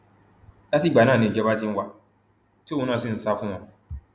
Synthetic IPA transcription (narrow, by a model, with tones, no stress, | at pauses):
da˦ti˦ɡ͡ba˨nã˦˨nĩ˨d͡ʒɛ˦ba˦tĩ˦n̩˦wa˦ | tũ˨˦nã˦˨s̬i˦n̩˨sa˦fʊ̃˦ɔ̃˨